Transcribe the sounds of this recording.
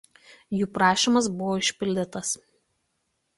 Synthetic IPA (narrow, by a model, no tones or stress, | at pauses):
juːpɾɑːʃʲiˑmɐs̬bʊʋoːɪʃʲpʲɪlʲd̪ʲɪt̪ɐs